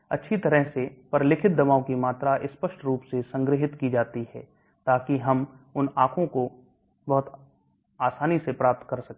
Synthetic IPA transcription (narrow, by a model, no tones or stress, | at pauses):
ɐ̰tːʃʰit̪ɐɾəɦsepəɾlɪkʰɪt̪̚d̪ɐmaːõkimaːt̪ɾaʔɪspəʃʈɾuːpsesɐ̃ŋɡɾɪɦɪt̪kid͡ʒaːt̪iɦɛ̰ː | t̪aːkiɦɐm | ʊnaːkʰõko | bɐɦʊt̪ | aːsaːnisepɾaːp̚t̪kɐɾsɐk̚